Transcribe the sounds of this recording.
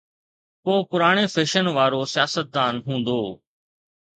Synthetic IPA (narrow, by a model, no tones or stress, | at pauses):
poːpʊɾaːɽ̃eːfʰeːʃənʋaːɾoːsɪjaːsət̪̚d̪aːnɦũːnd̪oː